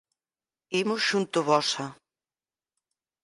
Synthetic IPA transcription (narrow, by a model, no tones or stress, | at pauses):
imʊsʃunt̪ʊβɔsɐ